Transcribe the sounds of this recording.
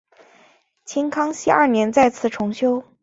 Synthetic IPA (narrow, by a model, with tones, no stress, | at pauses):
t͡ɕʰi˥nkʰɑ˥ŋɕi˥˧ɐ˥˩njɛ˧˥nt͡sa˥˧ɪt͡sʰɹ̩˥˩ʈ͡ʂʰʊ˧˥ŋɕjo˥ʊ